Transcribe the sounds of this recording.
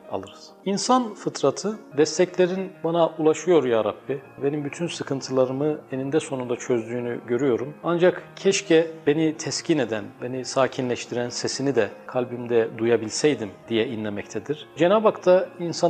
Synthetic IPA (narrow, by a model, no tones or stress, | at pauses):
a̰lˠɯɾɯz̥insanfɯt̪ʰɾat̪ʰɯd̪ɛst̪ʰɛclʲe̞ɾinbanaʔulˠaʃɯjo̞ɾjaːɾabːibe̞nimbyt̪ʰynsɯkʰɯnt̪ʰɯlˠaɾɯmɯe̞nind̪ɛso̞nund̪at͡ʃʰø̞zd̪yːnyɟø̞ɾyjo̞ɾumand͡ʒakcʰɛʃcʰɛbe̞nit̪ʰɛscʰine̞d̪ænbe̞nisaːcʰinlʲɛʃt̪ʰiɾænse̞sinid̪ɛkʰalʲbimd̪ɛd̪ujabilʲsɛjd̪imd̪̥ijɛinlʲemɛct̪ʰɛd̪iɾ̥d͡ʒenaːbakt̪ʰainsa